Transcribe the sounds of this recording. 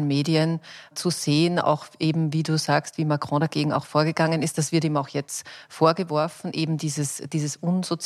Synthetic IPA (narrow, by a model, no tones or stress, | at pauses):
lnmeːdiənt͡suz̥eːəna̰ʊxʔeːbm̩viːduːz̥aːkstv̥iːmakʁ̥ɔ̃daɡeːɡŋ̩a̰ʊxfoːɐɡəɡ̥aŋənɪst̚d̥asv̥ɪɐtiːmaʊxjɛt͡stfoːɐɡəvɔɐfn̩ʔeːbm̩diːzəsd̥iːzəsʔʊnz̥ot͡s